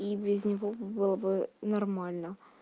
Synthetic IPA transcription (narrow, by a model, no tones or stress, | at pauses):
ibʲɪznʲɪvobɨlˠəbɨnɐrmalʲnə